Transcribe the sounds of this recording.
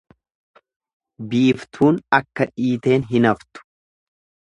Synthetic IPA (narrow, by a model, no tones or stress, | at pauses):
biːft̪ʰuːnɐkːɐᶑiːt̪e̞ːnɦɪnɐft̪ʊ̥